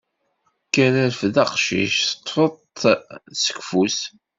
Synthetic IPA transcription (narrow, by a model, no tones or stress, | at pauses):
kːæɾæɾfðɑqʃḭʃθə̥t̪ˤːfəðˤ | sə̥kfus